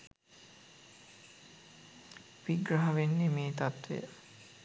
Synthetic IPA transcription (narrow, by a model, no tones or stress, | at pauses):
ʋiɡɾaɦaʋenːemeːt̪at̪ḛ